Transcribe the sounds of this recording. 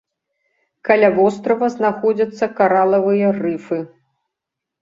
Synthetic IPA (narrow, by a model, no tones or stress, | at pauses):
kalʲavɔst̪ɾɐvɐznaxɔd͡zʲɐt̪sːɐkaɾalˠɐvɨjɐrɨfɨ